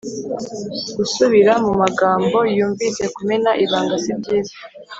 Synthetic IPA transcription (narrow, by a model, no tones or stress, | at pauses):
ɡ̥usuβiɾamumaɡaːmbo̞juːɱvise̞kumenaʔiβaːŋɡazibɟiːzḁ